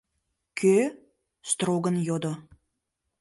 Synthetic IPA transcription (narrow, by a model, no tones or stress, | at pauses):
kʲʰø | st̪roɡənjod̪o